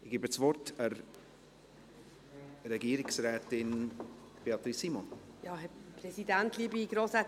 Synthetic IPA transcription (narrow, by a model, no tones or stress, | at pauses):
ɪɡ̥iːbət͡svɔɾtəɾ | ɾɛɡiːəɾɪksɾɛːtɪn | b̥eɑt̪ɾisimɔnjɑːɦɛpɾɛsidæntliːəbiɡɾoːsɛ